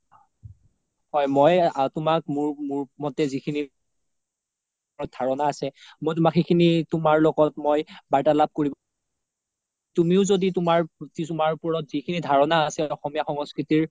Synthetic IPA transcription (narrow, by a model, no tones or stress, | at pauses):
hɔjmɔjtʊmak̚muɹmuɹmɔtɛzikʰini | ɔt̚dʱaɹɔnaːsɛmojt̬umakxʰekʰinitʊmaɹlɔɡɔtmojbaɹtalab̚koɹib | tumiʊzoditʊmaɹtitʊmaɹpɔɹɔtz̥ikʰinidʱaɹɔnaːsɛɔxɔmijaxɔŋɔskɹitiɹ